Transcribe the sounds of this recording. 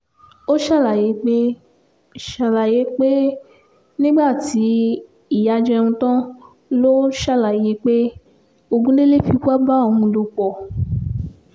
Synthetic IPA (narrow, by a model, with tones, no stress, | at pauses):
o˦ʃa˦˨la˨je˨˦k͡pe˦ | ʃa˨la˨je˨˦k͡pe˦ | nĩ˦ɡ͡ba˦˨ti˨˦ | i˦˨ja˧d͡ʒɛ˧ɾũ˧tã˦ | lo˦ʃa˦˨la˨je˨˦k͡pe˦ | o˧ɡũ˦le˦le˦fi˧ka˦ba˦o˧hũ˧do˧k͡pɔ˨